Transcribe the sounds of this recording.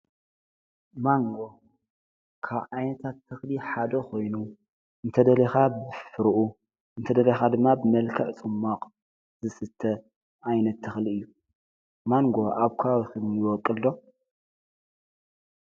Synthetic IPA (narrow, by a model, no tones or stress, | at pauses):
maŋɡo̞ | kʰaβʔajnɐt̪ʰat̪ʰːɨxliħad̪ɐkʰo̞jnu | ɨnt̪ʰɐd̪ɐlɐxabɨffɨɾɨʔu | ɨnt̪ʰɐd̪ɐlexad̪ɨmːabɨmɐlkʰɐʕt͡sʼɨmːaqʼ | zɨsɨt̪ʰːɐ | ʔajnɐt̪ʰːɨxliɨjːu | maŋɡo̞ʔaβkʰaawixɨmjiwɔkʼːɨlːo̞